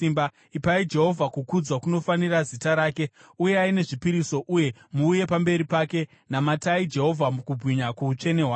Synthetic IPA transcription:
imba | ipaid͡ʒe̞ɦo̞vʱakukud͡zwakuno̞fanirazitaɾaːke̞uje̞aine̞ʐipiɾiso̞ʔuje̞muːje̞pambe̞ɾipaːke̞ | namataid͡ʒe̞ɦo̞vʱamukubʱwiɲakuut͡ʃe̞ne̞ɦwa

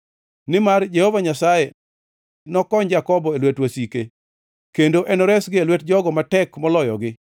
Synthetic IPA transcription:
nɪmard͡ʒehovaɲasaje | nɔkɔɲd͡ʒakɔbɔelwetwasike | kendoʔɛnɔɾɛsɡɪelwet̚d͡ʒɔɡɔmatɛkmɔlɔjɔ̰ɡɪ

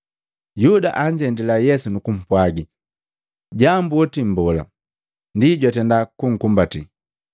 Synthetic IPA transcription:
juda̰ʔaɲd͡ʒɛndilajɛsunukum̩pwaɡi | ɟambuɔtim̩bɔla̰ | ndiɟwatɛndakuŋ̩kumbati

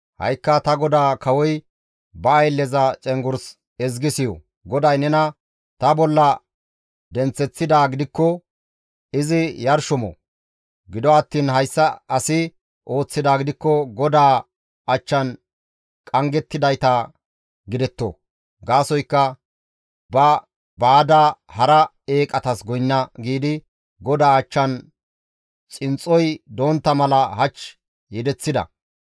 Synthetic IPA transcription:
hɐ̰jkːɐt̪ɐɡɔd̪aːkɐwɔj | bɐːjlːɛzɐt͡ʃʼɛŋɡʊɾs | ɛzɡɪsɪjɔ̰ | ɡɔd̪ɐjnɛnɐ | t̪ɐbɔlːɐ | d̪ɛnt͡sːɛt͡sːɪd̪aːɡɪd̪ɪkːɔ | ɪzɪjɐɾʃʊmɔ̰ | ɡɪd̪ɔɐt̪ːiːnɦɐjsːɐɐsɪ | ʔo̞ːt͡sːɪd̪aːɡɪd̪ɪkːɔɡɔd̪aː | ɐt͡ʃːɐn | kʼɐŋɡɛt̪ːɪd̪ɐjt̪ɐ | ɡɪd̪ɛt̪ːo̰ | ɡaːsɔjkːɐ | bɐ | baːd̪ahɐɾɐ | e̞ːkʼɐt̪ɐsɡɔjnːɐɡiːd̪ɪ | ɡɔd̪aːɐt͡ʃːɐn | t͡sʼɪnt͡sʼːɔjd̪o̞ːnt̪ːɐmɐlɐɦɐt͡ʃ | jɛd̪ɛt͡sːɪd̪ɐ̰

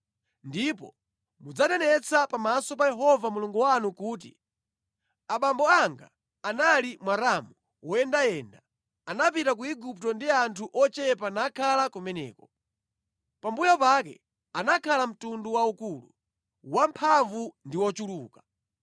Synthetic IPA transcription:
ndipɔ̰ | mud͡zatɛnɛt͡sʰapamasɔpajɛɦɔvamuluŋɡuwanukuːt̬ḭ | aɓambɔaŋɡa̰ː | nalimwaɾamu | wɔjɛndajɛnda | anapitak̬uiɡup̚tɔndiantʰuʔɔt͡ʃɛpanakʰalakumɛnɛ̰ːkɔ̥ | pambujapakɛ̰ | anakʰalam̩tunduwaukulṵ | wampʰaɱvundiwɔt͡ʃuluːkḁ

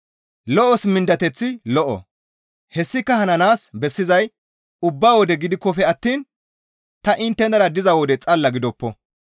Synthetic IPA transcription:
lɔʔɔsmɪnd̪ɐt̪ɛt͡sːɪlɔʔɔ̰ | hɛsːɪkːɐhɐnɐnaːsbɛsːɪzɐj | ʊbːaːwɔd̪ɛɡɪd̪ɪkːɔfɛɐt̪ːiːn | t̪ɐʔɪnt̪ːɛnd̪ɐɾɐd̪ɪzɐwɔd̪ɛt͡sʼɐlːɐɡɪd̪ɔpːɔ

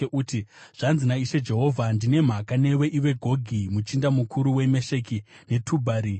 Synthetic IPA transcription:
eʔuːtiʐ̥anzinaiʃe̞d͡ʒe̞ɦo̞vʱandine̞m̤akane̞we̞ʔiʋe̞ɡʱo̞ɡʱimut͡ʃindamukʰuɾuwe̞me̞ʃe̞ki | ne̞tʰubʱaːɾi

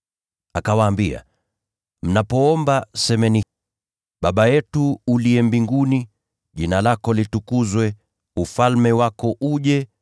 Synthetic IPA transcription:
akawaːmbia̰ | m̩napɔɔmbasɛmɛni | ɓaɓajɛtuːliɛmbiŋɡuni | ʄinalakɔlitukuzwɛ | ufalmɛwakɔʔuʄɛ

